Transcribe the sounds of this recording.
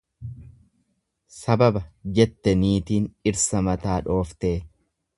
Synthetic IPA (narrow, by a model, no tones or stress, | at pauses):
sɐbɐbɐd͡ʒɛt̪ːɛniːt̪iːnɪɾsɐmɐt̪aːᶑo̞ːft̪eː